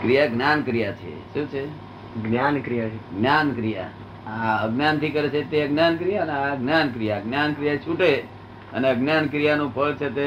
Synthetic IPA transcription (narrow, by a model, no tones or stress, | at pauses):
kɾijaɡnjankɾijat͡ʃʰḛʃũt͡ʃʰe | ɡnjankɾijat͡ʃʰeɡnjankɾija̰ | aəɡnjant̪ʰikəɾet͡ʃʰet̪eəɡnjankɾijaəneaɡnjank̬ɾijaɡnjankɾijat͡ʃʰuʈe | ə̰neəɡnjankɾijanũpʰəlt͡ʃʰet̪e